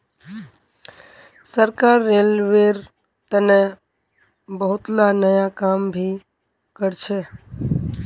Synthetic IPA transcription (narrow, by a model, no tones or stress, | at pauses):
səɾkaɾːelʋeɾ | t̪əne | bəɦʊt̪lanəjakambʱi | kəɾt͡ʃʰe